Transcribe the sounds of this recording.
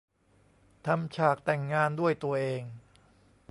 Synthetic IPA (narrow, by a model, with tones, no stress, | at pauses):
t̪ʰa˧mt͡ɕʰaː˨˩k̚t̪ɛ˨˩ŋːaː˧ndu˥˩əjt̪u˧ɐʔeː˧ŋ